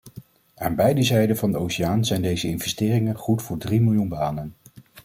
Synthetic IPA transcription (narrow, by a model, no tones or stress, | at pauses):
aːnbɛjdəzɛjdənvɑndəowsɪjaːnzɛjndejzəɪnvɛstɪːrɪŋənχutfʊːɹdrimɪlˠjunbaːnən